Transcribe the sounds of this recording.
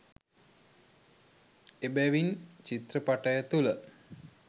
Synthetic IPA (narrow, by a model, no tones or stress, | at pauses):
ebæʋint͡ʃit̪rəpaʈəjət̪ulə